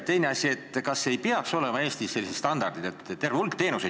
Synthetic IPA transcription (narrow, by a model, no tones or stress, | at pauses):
t̪e̞jneɑsʲie̞t̪ːˑkɑsːejpeɑkso̞lemɑe̞ːst̪isse̞lːise̥st̪ɑnd̪ɑrd̪id̪e̞t̪ːt̪ːe̞rveulkt̪e̞ːnuse